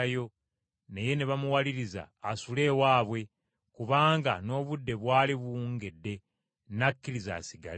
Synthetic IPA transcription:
ajo̞ | neje̞neβamuwaliɾiza̰ːsule̞ːwaːβwe̞ | kuβaːŋɡano̞ːβudːe̞βwaːliβuuːŋɡedːe̞ | nakːiɾiza̰ːsiɡa̰l

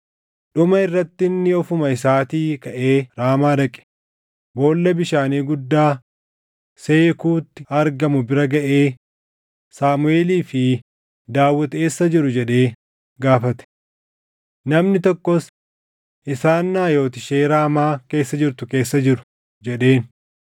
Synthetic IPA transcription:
ᶑʊmɐɪrːɐt̪ːɪnːɪɔfʊmɐɪsaːt̪iːkɐʔe̞ːɾaːmaːdɐkʼːɛ̥ | bo̞ːlːɐbɪʃaːniːɡʊd̪ːaː | se̞ːkuːt̪ːɪɐɾɡɐmʊbɪɾɐɡɐʔe̞ː | saːmʊe̞ːliːfɪ | d̪aːwːɐt̪e̞ːsːɐd͡ʒɪɾʊd͡ʒɛɗe̞ː | ɡaːfɐt̪ɛ̥ | nɐmnɪt̪ɔkːɔs | ʔɪsaːnːaːjo̞ːt̪ɪʃe̞ːɾaːmaːke̞ːsːɐd͡ʒɪɾt̪ʊke̞ːsːɐd͡ʒɪɾʊ̥ | d͡ʒɛɗe̞ːn

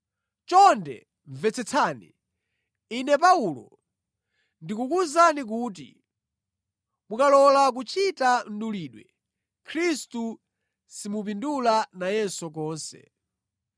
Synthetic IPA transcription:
t͡ʃɔndɛ̰ | ɱvɛt͡sʰɛt͡sʰanḭ | inɛp̬aulɔ̰ | ndikukuzanik̬uːt̬ḭ | mukalɔlak̬ut͡ʃʰitan̩ɗuliːɗwɛ̰ | kʰɾistu | simup̬indulanajɛnsɔk̬ɔːnsɛ̰

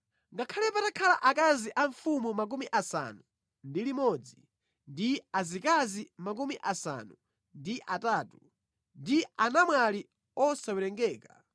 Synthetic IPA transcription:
ŋɡakʰalɛpatakʰalaʔakaziʔaɱfumumak̬umiʔasa̰nu | ndilimɔd͡zi | ndiazikazimak̬umiʔasa̰nu | ndiʔataːtu | ndianamwali | ɔsawɛlɛŋɡɛːka

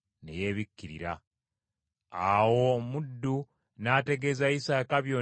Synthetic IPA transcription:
ne̞̰je̞ːβikːiɾḭɾa̰ | awo̞mudːu | naːte̞ɡe̞zaisakaβjo

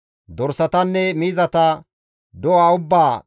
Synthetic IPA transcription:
d̪ɔɾsɐt̪ɐnːɛmiːzɐt̪ɐ | d̪ɔwaːʊbːaː

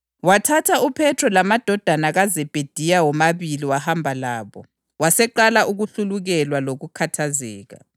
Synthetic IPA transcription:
watʰatʰaupʰɛtʰrɔlamad̥ʱɔd̥ʱanaɣazɛb̥ʱed̥ʱijawɔmaβiliwahambʱalaːβɔ | wasɛǃalaʔuɣuɬuluɣɛlwaloɣukʰatʰazɛ̰ːɣa̰

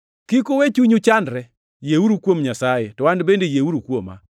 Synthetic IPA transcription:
kikowet͡ʃuɲut͡ʃandɾɛ | jeuɾukwomɲasajetɔwandbendejeuɾukwoma̰

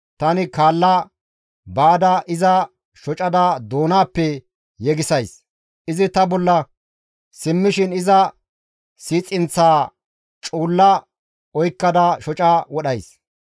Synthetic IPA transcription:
t̪ɐnɪkaːlːɐ | baːd̪ɐʔɪzɐ | ʃɔt͡ʃʼɐd̪ad̪oːnaːpːɛ | jɛɡɪsɐjs | ʔɪzɪt̪ɐbɔlːɐ | sɪmːɪʃɪnɪzɐ | siːt͡sʼːɪnt͡sːaː | t͡ʃʼuːlːɐ | ɔjkːɐd̪aʃɔt͡ʃʼawɔɗɐjs

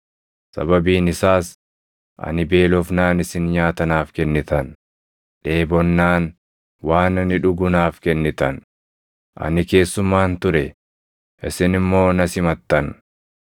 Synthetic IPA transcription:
sɐ̰bɐbiːnɪsaːs | ʔɐ̰nɪbe̞ːlɔfnaːnɪsɪnɲaːt̪ɐnaːfkɛnːɪt̪ɐn | ᶑe̞ːbɔnːaːn | waːnɐnɪᶑʊɡʊnaːfkɛnːɪt̪ɐn | ʔɐ̰nɪke̞ːsːʊmːaːnt̪ʊɾɛ | ʔɪsɪnɪmːo̞ːnɐsɪmɐt̪ːɐn

